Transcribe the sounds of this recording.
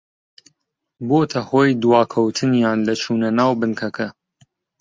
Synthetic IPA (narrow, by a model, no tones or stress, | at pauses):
boːt̪ʰɐhoːjd̪waːkʰɐwt̪ʰɨnjaːnlɐt͡ʃʰuːnɐnaːwbɨnkʰɐkʰɐ